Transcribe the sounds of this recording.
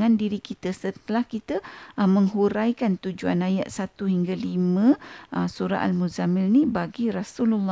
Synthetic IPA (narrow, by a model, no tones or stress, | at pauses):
andiɾikit̪əsət̪əlahkit̪əmə̃ŋɦuɾajkant̪ud͡ʒuanajat̪̚sat̪uhiŋɡalimə̃əsuɾa̰ʔa̰lmuzamɪlnibaɡiɾasululː